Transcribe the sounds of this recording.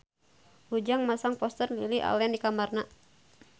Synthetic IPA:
hud͡ʒaŋmasaŋpɔst̪ərliliʔa̰lɛndikamarna

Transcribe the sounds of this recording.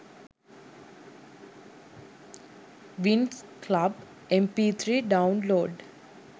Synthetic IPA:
ʋĩnsklab | ẽmpiːt̪ʰɾiːɖãʊ̃nloːɖ

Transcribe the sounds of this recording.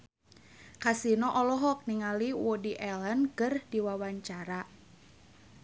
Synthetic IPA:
kasinɔʔɔlɔɦɔk̚niŋaliwɔdiʔɛlənkərdiwawaɲt͡ʃaɾa

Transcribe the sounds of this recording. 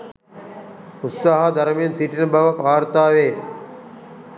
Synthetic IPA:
ut̪saːɦad̪ɐɾəmijənsiːʈinəbʱaːʋɐkʋaːɾt̪aːʋeː

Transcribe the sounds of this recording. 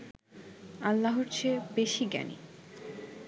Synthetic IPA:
alːaɦoɾʈt͡ɕʰebeʃiɡɛ̰nḭ

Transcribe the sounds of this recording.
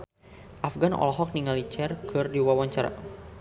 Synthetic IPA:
ʔafɡanɔ̰lɔɦɔk̚niŋalit͡ʃɛrkʰɨrdiwawaɲt͡ʃaɾa̰

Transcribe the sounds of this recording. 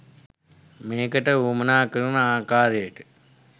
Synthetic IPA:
meːkəʈəuːmənaːkəɾunəaːkaːɾejəʈə̥

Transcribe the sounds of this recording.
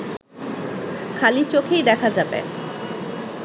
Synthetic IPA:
kʰalit͡ɕokʰejd̪ɛkʰad͡ʑabḛ

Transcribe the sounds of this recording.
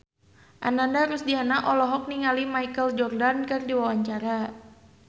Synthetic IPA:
ʔanandaɾʊsdianaʔɔlɔɦɔk̚niŋalimajkəld͡ʒɔrdankɨrdiwawaɲt͡ʃaɾa

